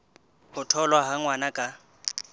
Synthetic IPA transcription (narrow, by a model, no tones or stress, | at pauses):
hʊtʰɔlwaɦaŋwanakʼa